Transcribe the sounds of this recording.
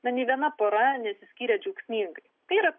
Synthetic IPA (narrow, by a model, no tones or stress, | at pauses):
nɐnʲɛɪʋʲiɛnɐpoːɾɐnʲɛt̪sʲɪsʲkʲiːɾʲɛd͡ʒʲuːksʲnʲiːŋɡɐɪt̪ɐɪiːɾɐ